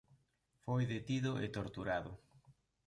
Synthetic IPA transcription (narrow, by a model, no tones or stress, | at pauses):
fojðet̪iðʊʔḛt̪oɾt̪uɾaðʊ